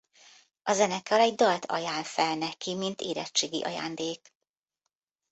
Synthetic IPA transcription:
ɒzɛnɛkːɒlɛɟd̪ɒlt̪ʰɒ̰jaːnfɛlnɛkimint̪eːɾɛ̰t͡ʃːeːɡḭʔɒ̰ja̰ːnd̪eːk

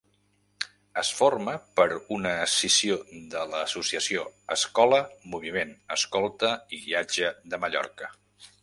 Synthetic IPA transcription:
əsforməpəɾunəːsisiod̪ələːsusiəsioəskɔləmuβ̞imenəskɔlˠt̪əiβiad͡ʒəðəməʎɔ̰rkə

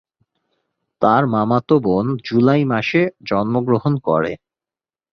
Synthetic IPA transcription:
t̪aɾmamat̪obond͡ʑulajmaʃed͡ʑɔnmoɡɾoɦonkɔ̰ɾḛ

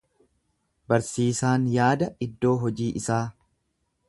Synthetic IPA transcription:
bɐɾsiːsaːnjaːd̪ɐɪd̪ːo̞ːɦɔd͡ʒiːʔɪsaː

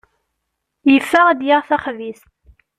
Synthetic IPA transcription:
jəfːæʁd̪jaʁθæχvis

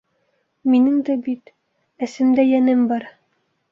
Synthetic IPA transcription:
minɘŋd̪æbit̪ | æ̆sɘ̆md̪æjænɘmbɑɾ

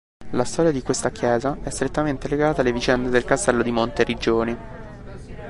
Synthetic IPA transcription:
last̪ɔːɾjad̪ikwest̪akjɛːzaɛst̪ɾet̪ːament̪eleɡaːt̪alːevit͡ʃɛnd̪ed̪elkast̪ɛlːod̪imont̪eɾid͡ʒoːni

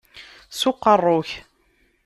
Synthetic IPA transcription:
sʊqːərˤːʊç

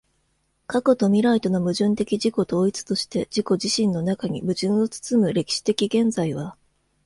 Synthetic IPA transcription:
kako̞t̪o̞mʲiɾait̪o̞no̞mɯ̟ʑɨ̃nt̪e̞kʲiʑiko̞t̪o̞ːit͡sɨ̥t̪o̞ɕi̥t̪e̞d͡ʑiko̞ʑiɕĩnːo̞nakaɲ̟imɯ̟ʑɨ̃ɰ̃o̞t͡sɨ̥t͡sɨmɯ̟ɾe̞kʲi̥ɕi̥t̪e̞kʲiɡẽ̞nd͡zaiβ̞a

